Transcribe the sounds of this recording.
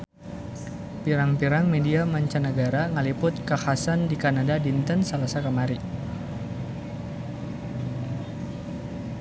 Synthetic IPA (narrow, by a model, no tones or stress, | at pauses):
piɾaŋpiɾaŋmediamaɲt͡ʃanəɡaɾaŋəlipʊt̪̚kahasandikanadadint̪ənsəlasakəmaɾi